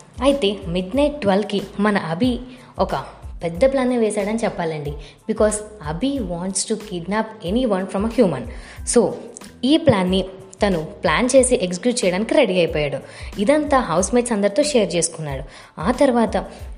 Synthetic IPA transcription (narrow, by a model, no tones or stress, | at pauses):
ɐjit̪e̞ːmiɖnɐjʈ̚ɖʋɐlkimɐnɐʔɐbʱi | ɔkɐpɛd̪ːɐplaːnːiʋɛːsaːɽɐnit͡ʃɛpːaːlɐɳɖi | bikɔːzɐbʱiʋaːɳʈsʈukiɖnaːpeniʋɐnfʰɾɐmɐhjuːmɐnso̞ː | iːplaːnːi | t̪ɐnuplaːnt͡ʃe̞ːsiʔekskjuːt͡ʃɛjɐɽaːnikiɾeɽiɐjpɔːjaːɽuid̪ɐnt̪aːɦɐwsmeːʈsɐnd̪ɐɾit̪oːʃeːjɐɾt͡ʃe̞ːsu̥kunːaːɽu | aːt̪ɐɾuʋaːt̪ɐ